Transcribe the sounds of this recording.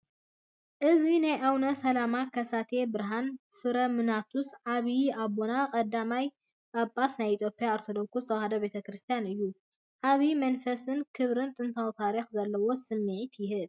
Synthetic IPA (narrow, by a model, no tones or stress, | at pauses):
ʔɨzinajʔawnɐsɐlamakʰɐsat̪ʰe̞bɨɾɦanfɨɾɐmɨnat̪ʰusʕaβiabonakʼɐd̪ːamaj | ʔabʼasnajit̪ʰjopʼijaaɾt̪ʰod̪oɾkuzɨt̪ʰɐwhɐd̪ɐbe̞t̪ʰɐkɾɨst̪ʰijanɨjːu | ʔaβimɐnfɐsɨnkʰɨβɾɨnt̪ʼɨnt̪ʰawt̪ʰaɾixzɐlːɐwo̞sɨmniʕit̪jɪɦɨd̪